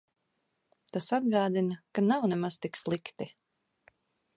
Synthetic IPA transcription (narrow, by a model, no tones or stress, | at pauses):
t̪asad̪̚ɡaːd̪inakanawnɛmaz̥t̪ikslˠikt̪i